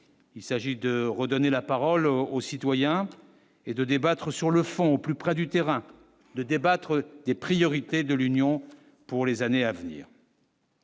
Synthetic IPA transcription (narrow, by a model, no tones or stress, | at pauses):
ilsaʒid̪əʁəd̪ɔnelapaʁɔlosit̪wajɛ̃ | ed̪əd̪ebat̪χəsyʁləfɔ̃oplypχɛd̪yt̪eʁɛ̃ | d̪əd̪ebat̪χəd̪epχijɔʁit̪ed̪əlynjɔ̃ | puʁlezaneavnḭːʁ